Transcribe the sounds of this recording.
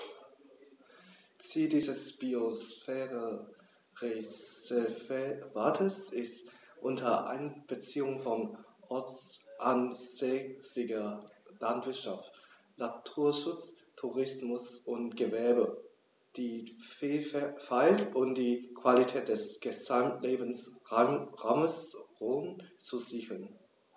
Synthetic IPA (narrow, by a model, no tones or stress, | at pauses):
t͡siːldiːzəsb̥iosfɛːʁə | ʁe | vvaːtʰəsɪst | ʔʊntʰɐʔa̰ɪnb̥ət͡siːʊŋfɔnʔɔɐt͡sʔanz̥ɛsɪɡɐlantv̥ɪɐtʃaft | latʰuːɐʃʊt͡s | tʰuʁɪsmʊsʔʊntɡ̥əvɛɐbə | d̥iːfːfaɪltʊmd̥iːkv̥alitʰɛːt̚d̥ɛsɡ̥əzamleːbən̩s | ʁaməsʁoːmt͡suziːɡl̩n